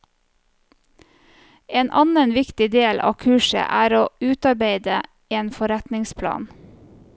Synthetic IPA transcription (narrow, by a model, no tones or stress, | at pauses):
eːnʔɑnənʋɪkt̪ɪd̪eːlʔɑ̰ːkʰʉːʃə̰ʔæːɾoːʉːt̪ɑɾbeɪd̪ə | eːnfɔɾæt̪nɪŋspʰlɑ̰ːn